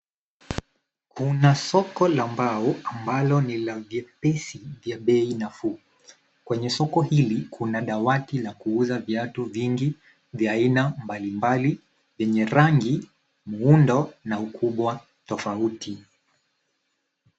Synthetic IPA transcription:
kʰunasɔkɔlambaɔambalɔnilavjɛpɛsivjaɓɛinafu | kwɛɲɛsɔkɔhilikʰunaɗawatilakuuzaviatuviŋɡi | vjaːinambalimbali | vjɛɲɛɾaŋɡi | muundɔnaukʰuɓwa | tɔfautʰi

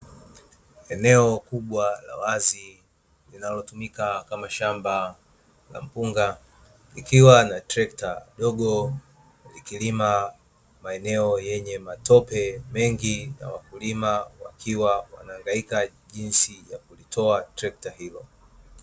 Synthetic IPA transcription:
ɛnɛɔkuɓwala̰wazi | linalɔtumikakamaʃamba | la̰m̩puŋɡa | likiwanatɾɛk̚taɗɔɠɔ | likilima | maɛnɛɔjɛɲɛmatʰɔpɛmɛŋɡina̰wakulimawa̰kʰiwawa̰naːŋɡaika | ʄinsijakulitʰɔatɾɛk̚tahilɔ

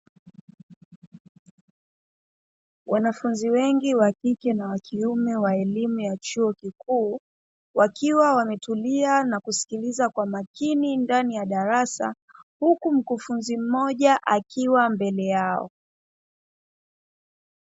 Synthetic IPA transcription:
wʔanafunziwɛŋɡiwakikɛnawakʰiumɛwaɛlimujat͡ʃuɔkikuː | wakiwawamɛtulianakusi̥kilizakwamakinindanijaɗaɾasa̰ | hukum̩kufunzim̩mɔʄaʔakiwambɛlɛjaɔ̰

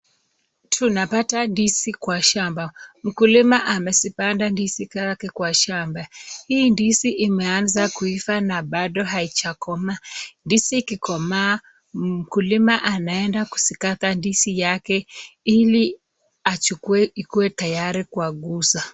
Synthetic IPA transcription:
tʰunapatandisikwaʃambam̩kulimaʔamɛsipandandisikakɛkwaʃambahiːndisiʔimɛanzakuifanaɓaɗɔɦait͡ʃakɔmandisikikɔmaː | m̩kulimaʔanaɛndaku̥sikatandisijakɛili | at͡ʃukuɛikuwɛtajaɾikuaɠusa

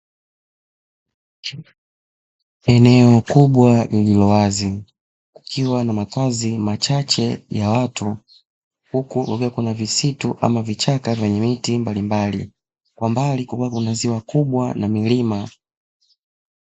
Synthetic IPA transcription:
ɛnɛɔkuɓwalililɔwazi | ku̥kʰiwanamakazimat͡ʃat͡ʃɛjawatʰu | hukukukuwakunavisituʔa̰mavit͡ʃakavjɛɲɛmitimbalimbalḭ | kwambalikukuwakunaziwakuɓwa̰namilima

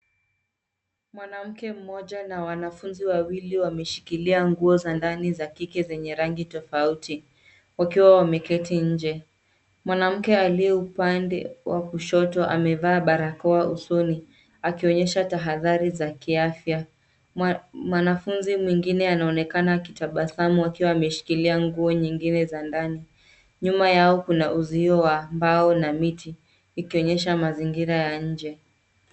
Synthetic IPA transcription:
mwanam̩kɛm̩mɔʄanawanafunziwawiliwamɛʃi̥kiliaŋɡuɔzandanizakikɛzɛɲɛɾaŋɡitɔfauti | wakiwawamɛkɛtiɲ̩d͡ʒɛ | mwanam̩kɛaliɛupandɛ̰wʔakuʃɔtɔʔa̰mɛvaːɓaɾakɔaʔusɔni | akiɔɲɛʃataɦaðaɾizakiafja | mwanafunzimwiŋɡinɛanaɔnɛkanakitaɓasamuakiwaːmɛʃi̥kiliaŋɡuɔɲiŋɡinɛzandani | ɲumajaɔkunaʔuziɔwambaɔnamitiː | kiɔɲɛʃamaziŋɡiɾajaɲ̩d͡ʒɛ

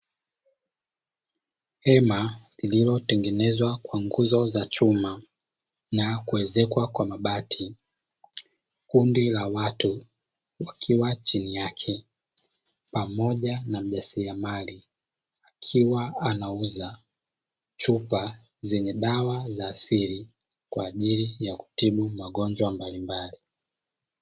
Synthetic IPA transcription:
hɛmalililɔtɛŋɡɛnɛzwakwaŋɡuzɔzat͡ʃuma | nakuɛzɛkwakwamaɓatʰi | kundilawatu | wakʰiwat͡ʃinijakʰɛ | pamɔʄanam̩ʄasiamali | akʰiwaanauza | t͡ʃupa | zɛɲɛɗawazaːsiɾi | kwaːʄilijaku̥tiɓumaɠɔnd͡ʒwambalimbali

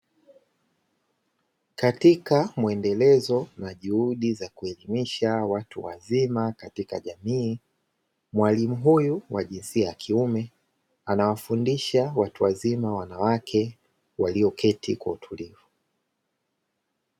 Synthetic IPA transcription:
katikamuɛndɛlɛzɔnaʄuhuɗizakuɛlimiʃawatuwa̰zimakatika̰ʄamiː | mwalimuɦujuwaʄinsiajakʰiumɛ | anawafundiʃawatuwazimawanawakʰɛ | waliɔkʰɛtʰikwautʰulivu

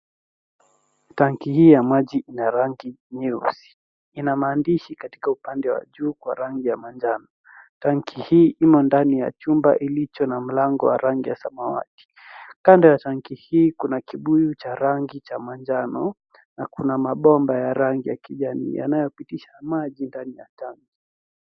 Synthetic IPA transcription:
taŋkihiːjamaʄiʔinaɾaŋɡiɲusi̥ | inamaːndiʃikati̥kaupandɛwa̰ʄuːkwaɾaŋɡijamand͡ʒanɔ | taŋkʰihiːʔimɔndanija̰t͡ʃumba̰ʔilit͡ʃɔnam̩laŋɡɔ̰wa̰ɾaŋɡijasamawa̰ti̥ | kandɔjataŋkihiːkunakiɓujut͡ʃaɾaŋɡit͡ʃamand͡ʒanɔ | nakunamaɓɔmbajaɾaŋɡijakiʄanḭːja̰najɔpitiʃamaʄindanija̰taŋki

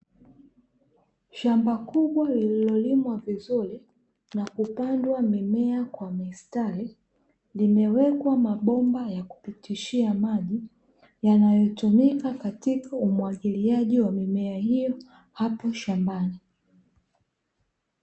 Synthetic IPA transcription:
ʃambakuɓwalililɔlimwavizuɾi | nakupandwamimɛakwamistali | limɛwɛkwamaɓɔmbajaku̥pitiʃiamaʄi | janajɔtumikakatikaumwaʄiliaʄiwamimɛahijɔ | hapɔʃambani

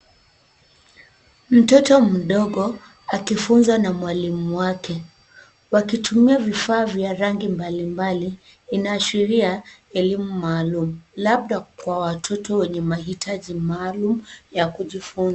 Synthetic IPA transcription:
m̩tɔtɔm̩ɗɔɠɔ | akifunzanamwalimuwakɛ | wakitʰumiavifaːvjaɾaŋɡimbalimbaliː | naːʃiɾiaɛlimumaːlumulaɓ̚ɗakwawatʰɔtɔwɛɲɛmaɦitʰaʄimaːlumujakuʄifunza

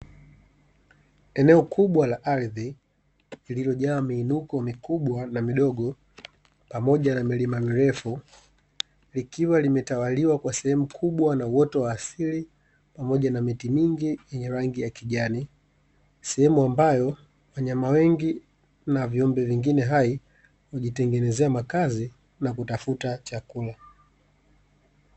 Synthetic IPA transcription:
ɛnɛɔkuɓwalaʔalði | lililɔʄaːmiːnukɔmikuɓwanamiɗɔɠɔ | pamɔʄanamilimamiɾɛfu | likiwalimɛtawaliwakwasɛhɛmukʰuɓwanauwɔtɔwaːsili | pamɔʄanamitimiŋɡijɛɲɛɾaŋɡijakiʄani | sɛhɛmuambajɔ | waɲamawɛŋɡi | naviɔmbɛviŋɡinɛɦai | waʄitɛŋɡɛnɛzɛamakazi | nakutafutat͡ʃakula

